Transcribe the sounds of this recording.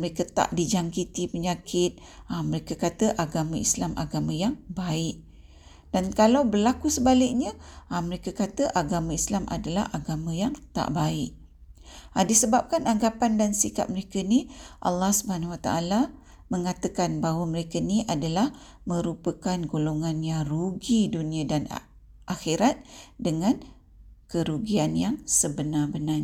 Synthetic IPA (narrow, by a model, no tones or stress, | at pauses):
məɾekət̪a̰ʔdid͡ʒaŋkit̪ipəɲakʰɪt̪̚ | aməɾekəkat̪əʔaɡamãislamʔa̰ɡamãjaŋbaɪʔ̚ | d̥ankalawbərlakusəbalɪk̚ɲəːməɾekəkat̪əʔaɡamãislamʔa̰dala̰hʔaɡamãjaŋt̪a̰ʔbaɪʔ̚ | adisəbap̚kanaŋɡapandansika̰p̚məɾekəniʔɑ̰lːɑhsubahanwat̪aʔala | mə̃ŋat̪əkanbaɦwamə̃ɾekəniʔadalah | mə̃ɾupəkanɡoloŋanjaŋruɡidunĩadan̰ | ʔaxiɾat̪̚dəŋãn | kəɾuɡianjaŋsəbənabənaɲ